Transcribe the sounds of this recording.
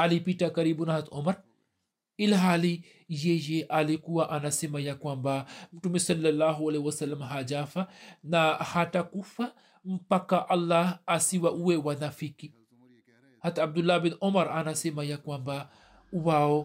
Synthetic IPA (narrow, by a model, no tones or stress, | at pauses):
ʔalipitakaɾibunhat̪omɐɾ | ilɦali | jejeʔalikuwaʔanasemajakwambamutumbesɐlːalːaɦualewɐsɐlːamɦad͡ʒafanahatakufa | m̩pakːaʔɐlːahasiwaʔuwewanafiki | hat̪ab̚d̪ulːabinʔomɐɾanasemajakwamba | wao